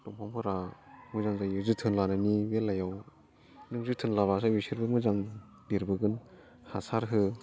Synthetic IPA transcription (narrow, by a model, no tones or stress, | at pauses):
tɔmpʰampʰɯɾamɯzaŋzajɯzɯtʰɯnlanɯniwelajaw | nɯŋzɯtʰɯnlabɾasawisʰiɾbɯmɯzaŋ | biɾbɯɡɯn | hasaɾɦɯ